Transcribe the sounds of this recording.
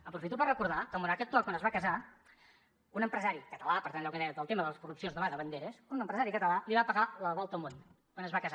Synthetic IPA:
əpɾufit̪upərəkuɾðakəmuɾakɛt̪ːakanəzβakəza | unəmpɾəzaɾikət̪əlapəɾt̪anɛwkəðɛjəðəlˠt̪eməðələskurupsionzðəβaðəβənd̪eɾəsunəmpɾəzaɾikət̪əlaliβ̞apəɣaləβɔlˠt̪əmon | onəzβakəza

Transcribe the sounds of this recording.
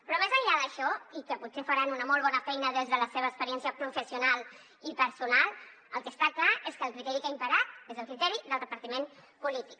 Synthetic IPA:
pɾɔmezəʎaðəʃɔikəputsefəɾanunəmɔlˠβɔnəfɛjnəðezðələseβəkspəɾiɛnsiəpɾufəsiunalˠ | ipəɾsunalˠ | əlˠkəst̪aklaʔeskəːlˠkɾit̪ɛɾikəimpəɾat̪ezəlˠkɾit̪ɛɾiðəlˠd̪əpəɾt̪imem | pulit̪ik̚

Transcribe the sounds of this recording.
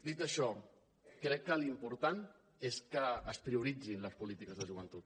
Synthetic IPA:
d̪it̪əʃɔ | kɾɛkːəlimpuɾt̪an | eskəːspɾiuɾid͡zinləspulit̪ikəzðəʒuβ̞ənt̪ut̪̚

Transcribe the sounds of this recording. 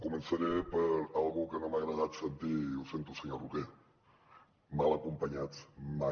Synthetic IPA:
kumənsəɾepəɾalˠɣukənomaɣɾəðat̪sənt̪ilˠsent̪usəɲoruke | malˠəkumpəɲat͡sma

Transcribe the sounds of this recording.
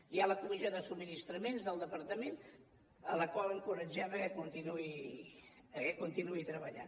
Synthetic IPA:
ialəkumizioðəsub̚minist̪ɾəmenzðəlˠd̪əpəɾt̪əmen | ə̰ləkwaləŋkuɾəd͡ʒɛβəkunt̪inui | əəkunt̪inuit̪ɾəβəʎa̰n

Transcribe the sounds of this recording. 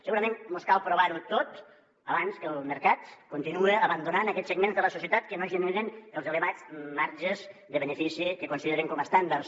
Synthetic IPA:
səɣuɾəmẽnmoskalˠpɾuβaɾut̪ot̪ | əβanskəlˠməɾkat̪̚kunt̪inuəːβənd̪unanɐkɛsəɡmenzðələsusiət̪at̪kənoʒənwiɾənəlˠzələβad͡zmaɾʒəzðəβənəfisikəkunsiðeɾəŋkɔməst̪and̪ars

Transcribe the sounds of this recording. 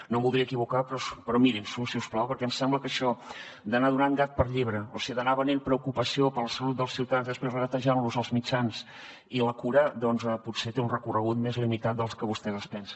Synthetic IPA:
noβulˠd̪ɾiəkiβukapɾɔspəɾɔmiɾimsusiusplawpəɾkɛmsɛmbləkəʃɔ | d̪ənaðunaŋɡat̪̚pəɾʎiβɾəosiəðənaβənempɾəukupəsiopəɾləsəlut̪̚d̪əlˠsiwt̪əanzðəspɾezəɣət̪əʒanluzəlˠzmit͡ʃans | iləkuɾəd̪ɔnzɛput̪set̪eunrəkurəɣut̪̚mezlimit̪at̪̚d̪əlˠskəβust̪ɛðəspɛns

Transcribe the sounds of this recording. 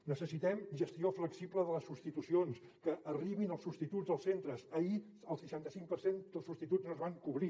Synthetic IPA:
nəsəsit̪ɛmʒəst̪iofləksipləðələsupst̪it̪usions | kəʔəriβinəlˠsupst̪it̪ud͡zzðəlˠsent̪ɾəsəi | əlˠsəʃant̪əsiŋk̚pəɾsend̪əlˠsupst̪it̪ud͡znoəzβaŋkuβɾi

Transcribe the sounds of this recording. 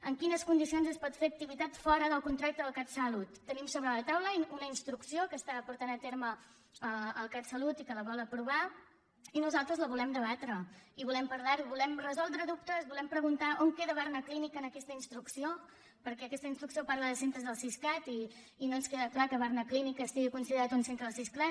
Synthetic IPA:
əŋkinəskund̪isionzəspɔt̪feək̚t̪iβit̪at̪fɔɾəðəlˠkunt̪ɾak̚t̪əðəlˠkat̪səlut̪ːənimsoβɾələt̪awləunəinst̪ɾuksiokəst̪apuɾt̪anət̪eɾmə | əːlˠkat̪səlut̪ikələβɔlˠəpɾuβa | inuzalˠt̪ɾəzləβulɛmd̪əβat̪ɾəiβulɛmpəɾðaɾuβulɛmrəzɔlˠd̪ɾəðup̚t̪əzβulɛmpɾəɣunt̪aʔoŋkeðəβarnəklinikənəkɛst̪əinst̪ɾuksio | pəɾkɛəkɛst̪əinst̪ɾuksiopaɾləðəsent̪ɾəzðəlˠsisklat̪iː | nonskeðəklakəβ̞aɾnəklinikəːst̪iɣikunsiðəɾat̪unsent̪ɾəəlˠsisklɛt̪

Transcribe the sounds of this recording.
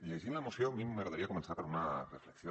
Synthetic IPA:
lesinlaemosjomimeɣɾaðaɾiako̞me̞nsaɾpoɾunarefleksjo

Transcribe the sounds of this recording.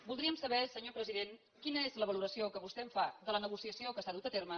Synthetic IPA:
bulˠd̪ɾiəmsəβɛsəɲopɾəziðen | kinəezləβəluɾəsiokəβust̪ɛɱfaðələnəɣ̞usiəsiokəsaðut̪ət̪ermə

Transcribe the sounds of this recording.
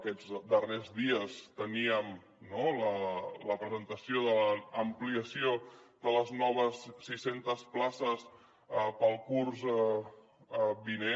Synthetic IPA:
kɛd͡zd̪ərezðiəst̪əniəm | nolələpɾəzənt̪əsioðələːmpliəsioðələznɔβ̞əsːisent̪əsplasəs | əpəlˠkurz | bine

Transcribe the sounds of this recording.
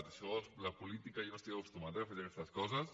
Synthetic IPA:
t̪əʃɔlɐpulit̪ikajonost̪iɣaust̪umat̪ɐafaʒakɛst̪ɐskɔzɐs

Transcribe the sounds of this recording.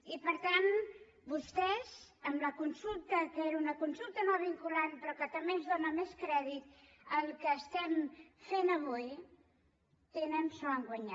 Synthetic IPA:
ipəɾt̪an | bust̪ɛzəmləkunsulˠt̪əkəeɾunəkunsulˠt̪ənoβiŋkulanpɾɔkət̪əmbenzðonəmeskɾɛðit̪̚ | əlˠkəːst̪ɛmfenəβuj | t̪enənsɔəŋɡwəɲa

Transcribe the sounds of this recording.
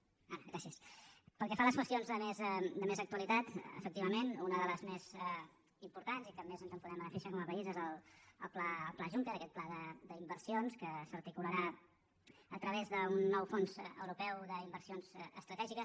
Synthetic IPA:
aɣɾasiəspəlˠkɛfaləskwəst̪ionzðəmezd̪əmezək̚t̪uəlit̪at̪ə̰fək̚t̪iβəmenunəðələzmezɛ | impuɾt̪anzikəmːezənzəmpuðɛmələfeʃəkɔməpəizezəlˠəlˠplaːlˠplaʒuŋk̪əɾəkɛt̪̚plaðəd̪əimbərsionskəsərt̪ikuləɾa | ət̪ɾəβezðəunːɔwfonzə̰wɾupɛwðəimbəɾsionzəst̪ɾət̪ɛʒikəs

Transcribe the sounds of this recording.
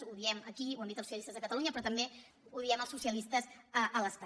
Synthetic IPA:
uðiɛməkiuwəmbit̪əlˠsusiəlist̪əzðəkət̪əluɲəpɾɔt̪əmbe | uðiɛməlˠsusiəlist̪əzəʔələsk

